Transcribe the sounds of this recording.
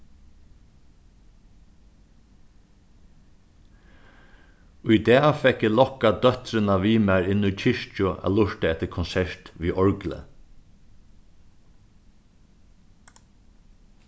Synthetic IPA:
ʊjd̪ɛːfɛkːɪlɔkːad̪œht̪ɾənaʋiːmæɹɪnːʊjt͡ʃʰɪʂt͡ʃʊæ̰lʊʂt̪əɛt̪əɾkʰɔnsɛɹt̪ʋiːʔɔɹɡlə̰

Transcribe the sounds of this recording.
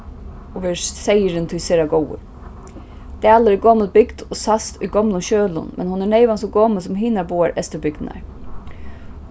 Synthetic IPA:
ɔʋeːsejəɾɪnt̪ʰʊjseːɾaɡɔwə̰ɾ | d̪̥æːləɾɪɡɔːməlbɪɡd̪̥ɔsast̪ʊjɡɔmlʊnʃøːlʊ̰nmʔɛ̰nhʊnɛɳeɪʋansɔɡoːməlsʊmɦiːnaɾbuːaɹʔɛst̪əbʏɡ̚d̪na̰ɹ

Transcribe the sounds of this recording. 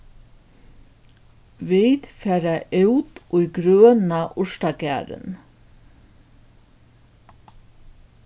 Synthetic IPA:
viːt̪fɛːɾaʔɪwt̪ʊjɡɾøːnaʔʊʂt̪akæ̰ːɾɪ̰n

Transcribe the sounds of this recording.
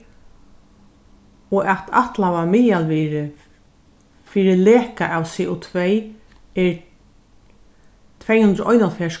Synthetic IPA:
ɔʔat̪ʰa̰ht̪lawamɪjalviɾɪ | fiːɾɪlɛːkaʔawsɛːʔut̪ʰvɛj | ɛɹ | t̪ʰvɛːjhʉnd̪ɾəʔɔjnalfɛːs

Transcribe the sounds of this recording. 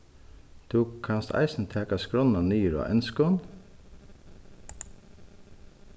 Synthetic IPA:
d̪̥uːkkʰːɑnst̪ʰæ̰ɪsn̩t̪ʰæːkɑskɾɔnɑnyːɾɑ̰ːʔɛ̰nskɔn

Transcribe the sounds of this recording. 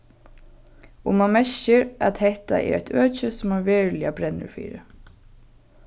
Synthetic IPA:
ʊmamɛʃɪɾat̪hɛht̪a̰ʔɛ̰ɾæjt̪ʰøːt͡ʃəsʊmaɹʋɛːɹlɪabɾɛnːə̰ɹfḭːɾɪ̰

